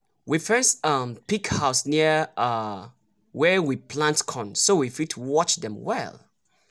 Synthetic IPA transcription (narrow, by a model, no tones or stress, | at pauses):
wifɛstʌmpikhaʊsniə | wɛwipʰlãntkʰɔ̃nsowifitʰuwɔt͡ʃdɛ̃mwɛ̰lˠ